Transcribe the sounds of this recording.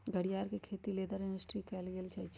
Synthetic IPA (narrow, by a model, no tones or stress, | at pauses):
ɡəɽ̤ijaːɾkekʰeːt̪ileːd̪əɾɪ̃ɳɖəsʈɾikɛːlɡeːlt͡ʃʰɐt͡ʃ